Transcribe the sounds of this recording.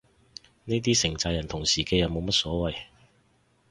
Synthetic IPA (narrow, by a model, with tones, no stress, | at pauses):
ne˥t̪̬iː˥sɪ˨˩ŋt͡saː˧jɐ˨˩nt̪ʰʊ˨˩ŋsiː˨˩kɛː˧jɐ˨˧wmo˨˧wmɐ˥t̚sɔː˨˥wɐ˨j